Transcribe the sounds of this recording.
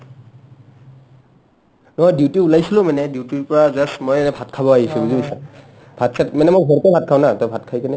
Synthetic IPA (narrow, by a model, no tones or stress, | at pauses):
nɔɦɔjdutiulajsilʊmanɛdiwtiɹpɔɹazasmɔjɛnɛbʱatkʰabɔaɦisũbuzibsa | bʱatsʰatmanɛmojɡʱɔɹpɔbʱat̚kʰawnatabʱatkʰajkanɛ